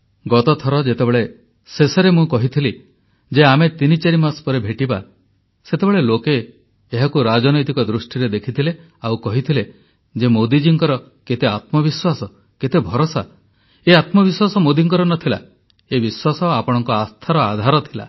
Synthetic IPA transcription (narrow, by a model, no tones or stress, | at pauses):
ɡɔt̪ɔt̪ʰɔɾɔd͡ʒet̪ebeɭe | seseɾemũkɔɦit̪ʰili | d͡ʒeamet̪init͡ʃeɾimaspɔɾebʱeʈiba̰ | set̪ebeɭelokeː | ɦakuɾad͡ʒɔnɔjt̪ikɔd̪ɾusʈiɾed̪ekʰit̪ʰile | awkɔɦit̪ʰile | d͡ʒemod̪id͡ʒiŋkɔɾɔ | ket̪eat̪mɔbiswasɔ | ket̪ebʱɔɾosa | eat̪mɔbiswasɔmod̪iŋkɔɾɔnɔt̪ʰila̰ | ebiswasɔapɔɽ̃ɔŋkɔast̪ʰaɾɔa̰d̪ʱaɾɔt̪ʰila̰